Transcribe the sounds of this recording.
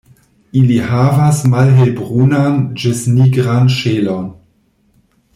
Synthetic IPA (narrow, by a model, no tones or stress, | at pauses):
ilihavasmalɦelbʁunand͡ʒisniɡɾanʃeːlon